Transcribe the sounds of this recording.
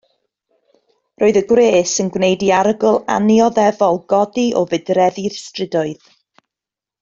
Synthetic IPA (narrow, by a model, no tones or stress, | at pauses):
roːɨðəɡwreːsənɡwnejdiaɾəɡʊlˠa̰njɔðɛvɔlˠɡɔdiʔɔvɨdrɛðirstrɪdʊɨð